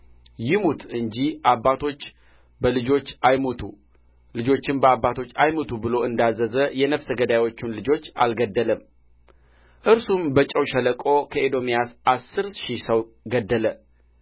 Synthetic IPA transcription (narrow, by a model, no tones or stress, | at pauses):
jɪmut̪ʰɨɲd͡ʒiʔabːat̪ʰo̞t͡ʃː | bəlɨd͡ʒo̞t͡ʃːajmot̪ʰu | lɨd͡ʒo̞t͡ʃːɪnbəabːat̪ʰo̞t͡ʃːajmot̪ʰubɨlo̞ʔɨnd̪azːəzəjɛnəfsəɡəd̪ajjwo̞t͡ʃːunlɨd͡ʒo̞t͡ʃːa̰lɡəd̪ːələm | ʔɨɾsumbət͡ʃʼəwʃələkʼo̞kʰəʔed̪o̞mijasʔasːɨɾʃisəw | ɡəd̪ːələ